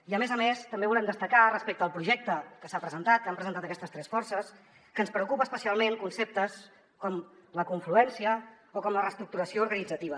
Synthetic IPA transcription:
iəmezəmest̪əmbeβulɛmd̪əst̪əkarəspek̚t̪əːlˠpɾuʒɛk̚t̪əkəsapɾəzənt̪at̪̚kampɾəzənt̪at̪əkɛst̪əst̪ɾɛsfɔɾsəs | kəːnspɾəukupəːspəsialˠmeŋkunsep̚t̪əs | kɔmləkuɱfluɛnsiə | okɔmlərəst̪ɾuk̚t̪uɾəsiouɾɣənid͡zət̪iβə

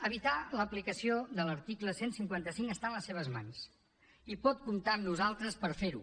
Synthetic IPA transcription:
əβ̞it̪aləplikəsioðələɾt̪ikləsensiŋkwant̪əsiŋkəst̪aənləsːeβ̞əzma̰ns | ipɔt̪̚kumt̪amnuzalˠt̪ɾəspəɾfeɾṵ

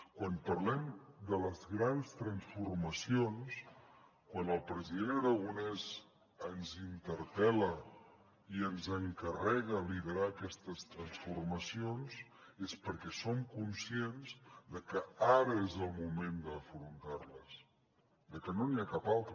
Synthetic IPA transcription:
kwanpəɾlɛmd̪ələzɣɾanst̪ɾənsfurməsions | kwanəlˠpɾəziðenəɾəɣ̞unɛz | ənzint̪əɾpɛlə | iənzəŋkərɛɣəliðəɾaːkɛst̪əst̪ɾənsfurməsionz | espəɾkɛsomkunsienzd̪əkəaɾəezəlˠmumend̪əːfɾunt̪arləs | d̪əkənoniakapalˠt̪ɾə

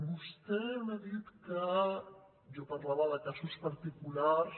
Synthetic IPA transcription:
bust̪ɛmeðit̪kə | ʒɔpəɾlaβəðəkasuspəɾt̪ikulars

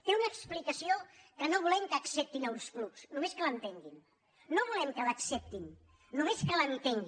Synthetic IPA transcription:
t̪eunəksplikəsiokənoβulɛmkəksɛp̚t̪inawnskluksnumeskələnt̪eŋɡin | noβulɛmkələksɛp̚t̪in | numeskələnt̪eŋɡi

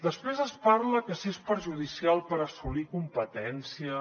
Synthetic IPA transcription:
d̪əspɾezəspaɾləkəsiespəɾʒuð̞isialˠpəɾəsulikumpət̪ɛnsiə

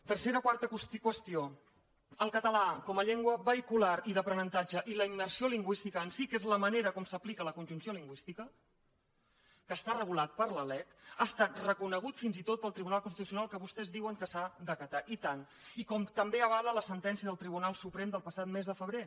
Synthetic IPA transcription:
t̪ərseɾəkwaɾt̪əkuskwəst̪io | əlˠkət̪əlakɔməʎɛŋɡwəβəikulaɾiðəpɾənənt̪ad͡ʒəʔiləimːərsioliŋɡwist̪ikəːnsikezləməneɾəkɔmsəplikələkunʒunsioliŋɡwist̪ikə | kəːst̪arəɣ̞ulat̪̚pəɾləlɛt̪əːst̪at̪rəkunəɣ̞ut̪finzit̪ot̪̚pəlˠt̪ɾiβunalˠkunst̪it̪usiunalˠkəβust̪ɛzðiwəŋkəsad̪əkət̪aʔit̪an | ikɔmt̪əmbeəβ̞alələsənt̪ɛnsiəðəlˠt̪ɾiβ̞unalˠsupɾemd̪əlˠpəsat̪mezðəfəβɾe

